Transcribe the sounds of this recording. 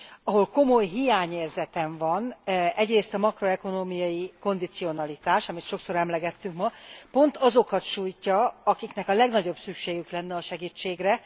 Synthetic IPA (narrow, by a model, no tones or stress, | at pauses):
ɒɦo̞lko̞mo̞jɦijaːɲeːrzɛt̪ɛɱvɒnɛɟreːst̪ɒmɒkro̞ɛko̞noːmijɒjiko̞nd̪it̪sijo̞nɒlit̪aːʃɒmit̪ʃo̞kso̞ɾɛmlɛɡɛt̪ːyŋkmɒpo̞nt̪ɒzo̞kɒt̪ʃuːjcːɒɒkiknɛkɒlɛɡnɒɟo̞bsykʃeːɡyklɛnːɛɒʃɛɡit͡ʃːeːɡrɛ